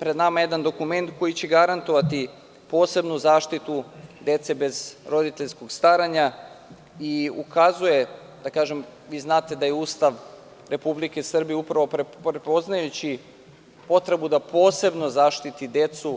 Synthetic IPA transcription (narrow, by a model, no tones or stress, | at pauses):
pɾed̪namaje̞d̪and̪o̞kume̞nt̪ko̞jit͡ɕe̞ɡaɾant̪o̞ʋat̪i | po̞ːse̞bnuzaːʃt̪it̪ud̪e̞t̪se̞be̞zɾo̞d̪it̪e̞ʎsko̞ɡst̪aɾaɲa | iṵkʰazuje̞ | d̪akaːʒe̞m | ʋiːznaːt̪e̞d̪ajeuːst̪aʋ | ɾe̞publike̞srbijeupɾaʋo̞pɾeɾepo̞znajut͡ɕi | po̞t̪ɾe̞bud̪apo̞ːse̞bno̞zaːʃt̪it̪id̪e̞t̪su